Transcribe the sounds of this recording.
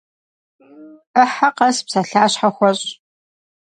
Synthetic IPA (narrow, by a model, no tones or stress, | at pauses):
əħaqɐspsɐɬaːɕħaxʷɔɕʼ